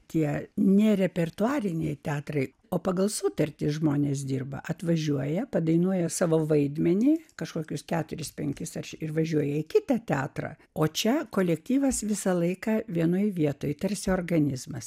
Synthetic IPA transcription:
t̪ʲiɛnʲɛɾʲɛpʲɛrt̪ʊɑːɾʲɪnʲɛɪt̪ʲæːt̪rɐɪ | oːpɐɡɐlˠsʊt̪ɐrʲt̪ʲɪʒmoːnʲeːs̬d̪ʲiːrbɐ̰ʔɐt̪ʋɐʒʲuɔjɛpɐd̪ɐɪnuɔjɛsɑːʋoːʋɐɪd̪ʲmʲɛnʲiːkɐʃkoːkʲʊskʲæːt̪ʊɾʲɪspʲɛŋʲkʲɪsɐrʲʃʲɪrʋɐʒʲuɔjɛɪkʲɪt̪ɐt̪ʲæːt̪rɐ̰ː | oːt͡ʃʲɛkoːlʲɛkt̪ʲiːʋɐsʋʲɪsɐlˠɐɪkɐːʋʲiɛnoːjʋʲiɛt̪oːjt̪ɐɾʲsʲɪoːrɡɐnʲɪzmɐs

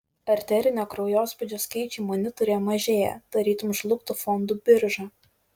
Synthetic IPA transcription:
ɐɾʲt̪ʲɛɾʲɪnʲoːkɾɐʊjoːspʊd͡ʒʲoːskɐɪt͡ʃʲɛɪmonʲɪt̪ɔɾʲejmɐʒʲeːjɛ̰d̪̥ɐɾʲiːt̪ʊmʒlˠʊk̚t̪ʊfɔnd̪uːbʲɪɾʒɑ

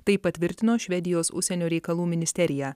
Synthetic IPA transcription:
t̪ɐɪpɐt̪ʲʋʲɪɾʲt̪ʲɪnoːʃʲʋʲɛd̪ʲɪjoːsʊ̰ʃʲsʲɛnʲoːɾʲɛɪkɐlˠuːmʲɪnʲɪsʲt̪ʲɛɾʲɪjæː

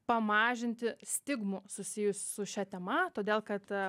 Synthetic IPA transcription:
pɐmɑːʒʲɪnʲt̪ʲɪsʲt̪ʲɪɡmʊsʊsʲɪjʊsʲsʊʃʲɛt̪ʲɛmɐt̪oːd̪ʲeːlˠkɐt̪

